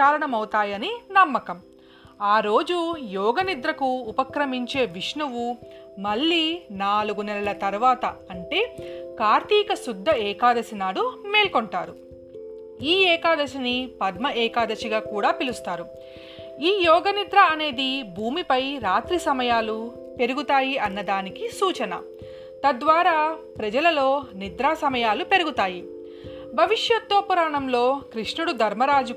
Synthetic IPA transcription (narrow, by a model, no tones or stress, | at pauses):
aːɾɐɳɐmɐwt̪aːjɐninɐmːɐkɐm | aːɾo̞ːd͡ʒujɔːɡɐnid̪ɾɐkuːpɐkɾɐmiɲt͡ʃe̞ːʋiʂɳuʋumɐɭːiːnaːluɡunɛlɐlɐt̪ɐɾuʋaːt̪ɐɐɳʈe̞ːkaːɾt̪iːkɐsud̪ʱːɐɛːkaːd̪ɐsinaːɽumeːlkɔɳʈaːɾu | iːɛːkaːd̪ɐsinipɐd̪mɐɛːkaːd̪ɐsiɡaːkuːɽaːpilust̪aːɾu | iːjɔːɡɐnid̪ɾɐɐne̞ːd̪ibʱuːmipɐjɾaːt̪ɾisɐmɐjaːlu | pe̞ɾuɡut̪aːjiɐnːɐd̪aːnikisuːt͡ʃɐnɐ̰ | t̪ɐd̪ʋaːɾaːpɾɐd͡ʒɐlɐlo̞ːnid̪ɾaːsɐmɐjaːlupe̞ɾuɡut̪aːji | bʱɐʋiʂjɐt̪ːoːpuɾaːɳɐmlo̞ːkɾiʂɳuɽud̪ʱɐɾmɐɾaːd͡ʒu